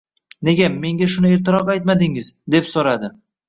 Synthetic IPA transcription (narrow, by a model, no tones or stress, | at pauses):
ne̞ɡʲame̞ŋɡʲaʃʊnɪeɾt̪ʰɪɾɒqajt̪mad̪ɪŋɪzd̪e̞psoɾad̪ɪ